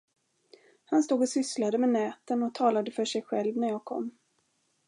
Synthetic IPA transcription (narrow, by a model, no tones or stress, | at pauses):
hanst̪uːɡɔsʏslad̪əmɛnɛːt̪ənɔt̪ʰɑːlad̪əfœʂɛjɧɛlvnæɾjɑːɡ̚kʰɔ̰mː